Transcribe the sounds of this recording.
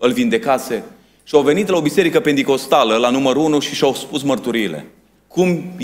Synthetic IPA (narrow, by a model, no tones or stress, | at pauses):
ɨlvind̪e̞kase̞ | ʃiawve̞nit̪lao̞bise̞ɾikəpe̞nt̪iko̞st̪aləlanuməɾunuʃiʃawspusmərt̪uɾiːle̞̰ | kum